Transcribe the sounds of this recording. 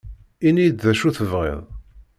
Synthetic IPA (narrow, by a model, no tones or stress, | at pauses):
inijd̪ðæʃuθəvʁɪ̰ðˤ